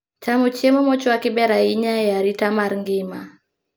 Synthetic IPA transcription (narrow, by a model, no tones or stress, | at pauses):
t͡ʃamɔt͡ʃiemɔmɔt͡ʃɔakibɛɾaiɲajaɾitamaɾŋɡɪma